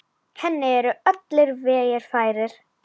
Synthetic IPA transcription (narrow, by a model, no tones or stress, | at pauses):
hɛnːɪɛɾʏœt̪lɪɾvɛːjɛɾ̥faːjɾɪɾ̥